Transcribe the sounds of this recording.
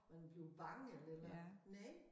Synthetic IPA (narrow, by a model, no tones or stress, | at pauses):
mænb̥le̝b̥ɑ̈ŋelelɐnɛ